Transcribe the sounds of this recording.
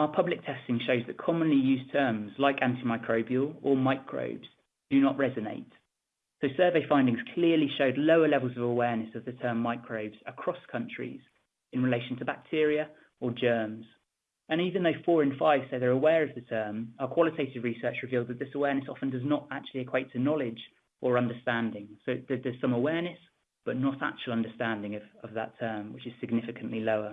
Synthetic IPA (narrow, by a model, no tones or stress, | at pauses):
aʊəpʰʌblɪk̚tʰɛstɪ̃ŋʃəʊzðəʔkʰɒmə̃nlijʉːztʰɜːmzlaɪkãntimaɪkʰɹ̥əʊbiəlˠəmaɪkʰɹ̥ə̰ʊbz̥ | d̥ənəʔɹɛzənḛɪt | səʊsɜːveɪfãɪ̃ndɪ̃ŋz̥kʰl̥ɪəliʃəʊdˡləʊəlɛvəlˠzəvəwɛːnɨsəvðətʰɜːmːaɪkʰɹ̥əʊbz̥əkʰɹ̥ɒskʰʌ̃nt͡ʃɹ̥ḭz̥ | ɪ̃nɹɪleɪʃə̃ntʰəbak̚tʰɪəɹiə | əd͡ʒɜːmz̥ | ə̃ñiːvə̃nðəʊfɔːɹə̃nfaɪv̥seʊðəɹəwɛːɹəvðətʰɜːmaəkʰw̥ɒlɪtʰeɪtɪvɹisɜˑt͡ʃɹɪviːlˠd̪ðət̪ʔ̚ðɪsəwɛːnɨsɒfə̃ndʌznətak̚t͡ʃuəliɨkʰw̥eɪtʰənɒlɪd͡ʒ | ʔəɹʌ̃ndəstæ̃ndɪ̃ŋsəʊðəðəz̥sʌ̃məwɛːnɨs | b̥ʌʔnəta̰k̚t͡ʃuəlˠʌ̃ndəstæ̃ndɪ̃ŋəvəvðə̰tʰɜːmwɪt͡ʃɪz̥sɪɡ̚nɪfɪkʰə̃nʔliləʊə